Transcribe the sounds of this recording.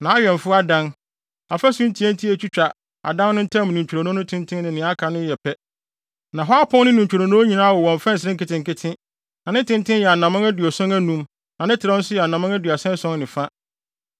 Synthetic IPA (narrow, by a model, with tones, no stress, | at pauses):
nã˨a˦ɥᶣɛ˨m˨fʊ˦a˦dã˦n | a˨fæ˦sʊ̃˦n̩˦tʰi˨˦æ˦n˦tʰi˦æ˦t͡ɕʰᶣi˦t͡ɕᶣa˨ | a̰˨dã˦nnʊ̃˦n̩˦tʰã˦m˨nĩ˨ɲ˨t͡ɕᶣu˨ɾa˨nʊ̃˦ʊ̃˦tʰɪ̃˦ntʰɪ̃˦nnɪ̃˨nɪ̃˨˦a˦kʰa˨nʊ̃˦jɛ˨pʰɛ˦ | nã˨ɦɔ˦a˦pʰʊ̃˦nnɪ̃˦nĩ˨ɲ˨t͡ɕᶣʰu˨ɾa˨nʊ̃˦ɲĩ˨nãː˦wɔ˨wɔ̃˨m˨fɛ̃˦n˨sɪ˦ɾɪ̃˦kɪ˨tɪ̃˨ŋ˨kɪ˦tʰɪ̃˦ | nã˨nɪ̃˦tʰɪ̃˦n˦tʰɪ̃˦njɛ˨a˨nã˨mã˦æ˦dɥɔ˨sɔ̃˦ŋæ˦nũ˨m | nã˨nɪ̃˦tʰɪ˨ɾa˦n̩˦sʊ˦jɛ˨a˨nã˨mã˦ŋæ˦dɥa˨sɛ̃˦sɔ̃˦ŋnɪ̃˨fa˦